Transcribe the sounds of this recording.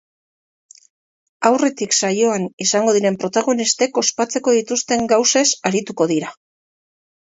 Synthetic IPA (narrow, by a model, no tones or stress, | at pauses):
awre̞t̪iksajo̞anisaŋɡo̞ð̞iɾe̞mpɾo̞t̪aɣ̞o̞nist̪e̞ko̞spat͡se̞ko̞ðit̪ust̪e̞ŋɡawse̞saɾit̪uko̞ðiɾa